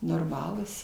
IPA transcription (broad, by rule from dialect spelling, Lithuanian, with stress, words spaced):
noːrˈmɑːlˠuːs